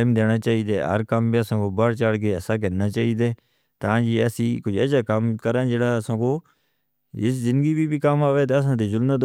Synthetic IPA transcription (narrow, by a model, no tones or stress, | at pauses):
ɪmd̪eːnaːt͡ʃaːiːd̪eːɦə̰ɾkəmbiːəsãːkoːbəɽt͡ʃaːɽkeːəːsaːk̬əːɾnaːt͡ʃaːiːd̪eː | t̪ãːd͡ʒiːəsiːkʊd͡ʒɛːsaːkəmkəɾãːd͡ʒeːɽaːəsãːkoː | ɪszɪ̃nd̪ɡiːbiːbiːkəmaːʋeːt̪̬eːəs̬ãːt̪eːzʊlmət̪